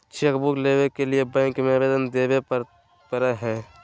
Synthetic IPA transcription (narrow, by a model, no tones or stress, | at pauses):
t͡ʃʰekbukleːʋekeliebɛ̃ːŋkmẽʋeːd̪ənd̪eːwe | pəɾəɦɛː